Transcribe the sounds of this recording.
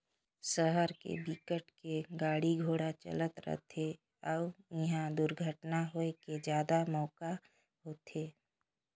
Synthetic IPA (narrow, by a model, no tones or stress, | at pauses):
səɦəɾkḛbikəʈkeɡaːɽiɡʱoːɽat͡ʃə̰lət̪ɾə̰t̪ʰe | ɔːɪɦãd̪ʊɾɡʱəʈnaɦoeked͡ʒjaːd̪amɔːka | ɦoːt̪ʰeː